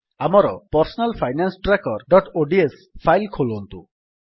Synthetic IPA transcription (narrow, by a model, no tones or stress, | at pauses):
amɔɾɔpɔɾsɔnalpʰajnansʈɾakɔɾɖɔʈoɖies | pʰajlkʰolɔnt̪ṵ